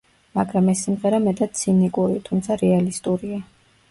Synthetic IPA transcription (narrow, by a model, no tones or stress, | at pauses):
maɡɾamɛsːimʁɛɾamɛt̪ʼat̪̚sʰinikʼuɾit̪ʰumt̪sʰaɾɛalist̪ʼuɾia